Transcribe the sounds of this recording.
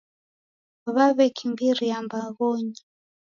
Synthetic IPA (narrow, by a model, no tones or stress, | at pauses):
βaβɛkʰimbiɾijambaɣɔɲi